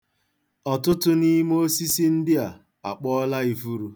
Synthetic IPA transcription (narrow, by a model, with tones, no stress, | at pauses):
ɔ˨tʊ˦tʊ˦ni˦mo˦si˦si˦n̩˦dɪ˦a˨ | a̰˨k͡pɔ˦la˦i˦fu˦ɾu˨